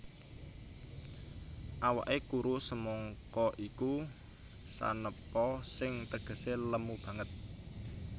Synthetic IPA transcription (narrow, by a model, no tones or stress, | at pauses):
ʔawa̰ʔekuɾusəmɔŋkɔʔiku | sa̰nəpɔsɪŋt̪əɡ̥ə̤seləmub̥ä̤ŋət̪̚